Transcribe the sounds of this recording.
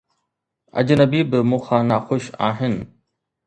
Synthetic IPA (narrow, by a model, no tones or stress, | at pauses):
ɐ̰d͡ʑnɐbiːbɪmũːxãːnaxʊʃa̰ːɦɪnɪ̆